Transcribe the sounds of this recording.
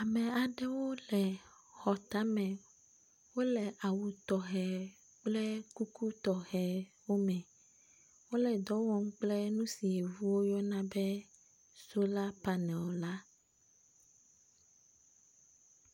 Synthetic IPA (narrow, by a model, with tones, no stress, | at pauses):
a˨mɛ̃˨a˨ɖɛ˦wo˦lɛ˨ | xɔ˨t̪a˦mɛ̃˨ | wo˦lɛ˨ʔa˨wu˨t̪ɔ˨ɦɛ˨ | k͡plɛ˦ku˦ku˦t̪ɔ˨xɛ˨ | wo˦mɛ̃˨ | wo˦lɛ˨d̪ɔ˨˦wɔ˦m˦k͡plɛ˦nũ˦si˨e˨vu˦wo˦jɔ˦nã˦bɛ˦ | so˦la˦pa˦nɛ̃˨wo˨la˦